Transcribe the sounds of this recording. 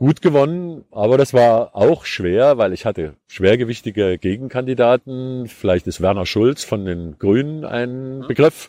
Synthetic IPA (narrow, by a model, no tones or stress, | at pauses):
ɡ̥uːtɡ̥əvɔnənʔaːβɐɾasv̥aːɐʔaʊxʃv̥eːɐvaɪlɪçhatə | ʃv̥eːɐɡəvɪçtɪɡəɡ̥eːɡŋ̩kʰandidaːtn̩fɪlaɪçtɪstv̥ɛɐnɐʃʊlt͡sfɔndeːnɡ̥ʁyːnənʔa̰ɪnənbəɡʁɪf